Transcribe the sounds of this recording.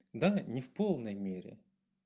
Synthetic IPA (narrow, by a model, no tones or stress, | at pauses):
d̪anʲɪfpolˠnəjmʲeɾʲɪ̰